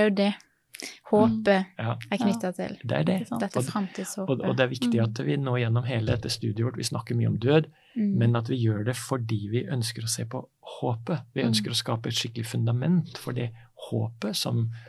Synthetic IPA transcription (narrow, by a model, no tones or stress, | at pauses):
jʊd̪ɛ | hoːpəɑːækʰnʏɑt̪ʰɪ̰ld̪ɛ̰æ̰ɖɛɛɔɾɑmt̪iːd̪shoːɔɔd̪ɛæɾʋɪkt̪ɪɑt̪ʋɪnoːɪjɛnːɔmɦeːləd̪ɛt̪ːəst̪ʉːd̪ɪəʋɔʈːʋɪ̰snɑkːəɾmyːəɔmd̪øːd̪ | mɛnɑt̪ʋɪjøːɖɛfɔɖiːʋɪʔœnskəɾɔseːpʰɔ | hoːpəʋɪœnskəɾɔskɑːpəɛt̪ʂɪkːəlɪfʉnd̪ɑmɛnt̪fɔɖiho̰ːpəsɔ̰m